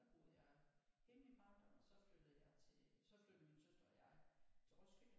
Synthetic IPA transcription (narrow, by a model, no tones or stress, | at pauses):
b̥o̝ð̩̰ˠjɑ̈ɪɡ̥enim̥ɑ̈nd̥ɐsɒ̽fød̥ð̩ˠjɑ̈ɪt͡sʰesɒ̽flød̥̩minsøsd̥ɒjɑ̈ɪt͡sʰe̝ʁɒsɡ̥ø̥